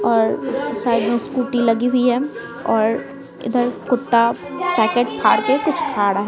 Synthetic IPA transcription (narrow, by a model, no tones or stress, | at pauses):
ɔːɾsaːid̪ẽskuːʈilɐɡiɦʊiɦɛ̃ | ɔːɾ | ɪ̰d̪əɾkʊt̪ːapɛːkeːʈpʰaːɽkekʊt͡ʃʰkʰaːɽaɦɛ